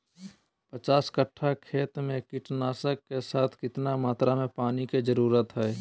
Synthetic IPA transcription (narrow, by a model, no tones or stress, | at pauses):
pət͡ʃaːskəʈʰːakʰeːt̪mẽkɪʈnaːsəkːesaːt̪ʰkɪt̪namaːt̪ɾamẽpaːniked͡ʒəɾuːɾət̪ɦɛː